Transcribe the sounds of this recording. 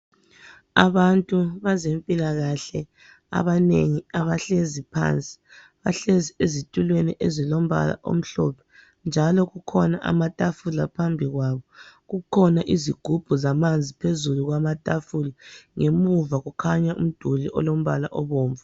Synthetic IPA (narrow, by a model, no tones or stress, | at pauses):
aβantʼuβazempʼilaɣaɬɛ | a̰βaneŋiaβaɬezipʰa̰nt͡sʼi̥ | βaɬeziezitʼulweniʔezilom̩βa̰la̰ʔo̰m̩ɬɔ̰pʰɛ̥ | nd͡ʒʱalɔɣukʰɔnaʔa̰matʼafulapʰambʱiɣwaβɔɣukʰɔnaʔiziɡ̥ʱub̥ʱuzamand͡zʱipʰezuluɣwamatʼafuliŋemuvaɣukʰaɲaʔṵm̩d̥ʱuliʔɔ̰lom̩βa̰la̰ʔɔβɔːɱva